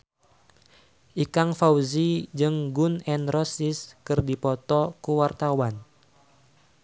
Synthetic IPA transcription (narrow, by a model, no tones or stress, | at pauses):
ʔikaŋfawzid͡ʒɨŋɡunɛnrɔsiskɨrdipɔt̪ɔkuwart̪awan